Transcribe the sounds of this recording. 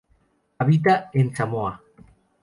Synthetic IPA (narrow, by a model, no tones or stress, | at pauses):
aβit̪̬aent͡samoa